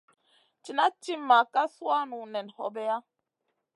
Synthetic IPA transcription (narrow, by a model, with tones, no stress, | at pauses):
t͡ʃi˨na˦t͡ʃi˦m̩ː˦a˨ka˦swa˦nu˨nɛ˨nhɔ̰˨bɛ˦a˦